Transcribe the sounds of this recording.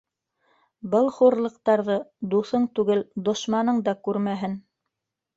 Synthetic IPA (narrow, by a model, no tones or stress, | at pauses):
bɤlˠχuɾlˠɤ̆q̚t̪ɑɾðɤd̪uθɤɴt̪ʉɡɘld̪ŏʃmɑnɤɴd̪ɑkʉɾmæɦɘn